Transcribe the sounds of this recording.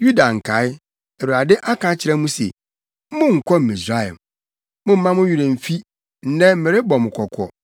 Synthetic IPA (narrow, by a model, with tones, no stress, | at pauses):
ju˦da˨ŋ̩˨kʰa˨˦ɪ˦ | ɛ˨wu˨ɾa˨dɪ˦ʔa˦kʰã˨˦t͡ɕʰɪ˨ɾɛ̃˦mũ˦sḛ˨˦ | mʊ̃˦ŋ̩˨kʷʰɔ˦m̩˨i˨sɾa˦ɛ̰˨m | mʊ̃˦m̩˦mã˦mʊ̃˦ɥu˨ɾẽ˨m̩˨fi˦ | n̩˦nɛ̃˦m̩˦mɪ̃˨ɾɪ˦bɔ˨mʊ̃˨kʰɔ˨kʰɔ̰˨